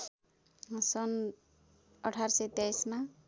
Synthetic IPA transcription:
sʌn | ʌʈʰaɾsʌjt̪jajsma

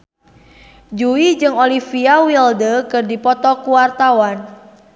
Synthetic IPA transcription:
d͡ʒuid͡ʒɨŋolifiawildəkɨrdipɔt̪ɔkuwart̪awan

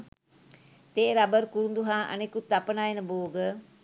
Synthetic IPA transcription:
t̪eːɾabəɾkuɾund̪uɦaːʔa̰nekut̪ːapənajenəboːɡə

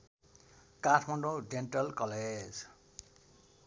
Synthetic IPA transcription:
kaʈʰmʌɳɖod͡zenʈʌlkʌled͡z

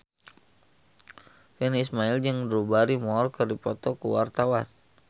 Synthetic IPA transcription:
fɛnismaild͡ʒɨŋdɾubaɾimɔrkɨrdipɔt̪ɔkuwart̪awan

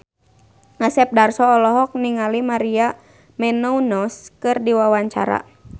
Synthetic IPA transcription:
asɛp̚darsɔːlɔɦɔk̚niŋalimaɾia | mɛnɔunɔskɨrdiwawaɲt͡ʃa̰ɾa̰

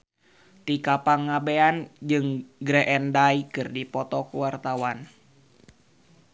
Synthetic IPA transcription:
t̪ikapaŋːabeand͡ʒɨŋɡɾɛʔɛndaikɨrdipɔt̪ɔkuwart̪awan

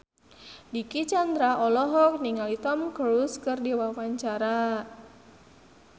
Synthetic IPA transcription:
dikit͡ʃand̪ɾaʔɔlɔɦɔk̚niŋalit̪ɔmkəɾuskɨrdiwawaɲt͡ʃaɾa

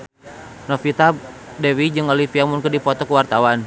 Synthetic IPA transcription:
nɔfit̪adɛwid͡ʒɨŋɔlifiamunkədipɔt̪ɔkuwart̪awan

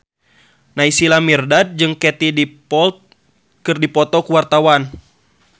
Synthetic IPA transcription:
naisilamirdad̪̚d͡ʒɨŋkɛt̪idipɔlt̪̚ | kɨrdipɔt̪ɔkuwart̪awan

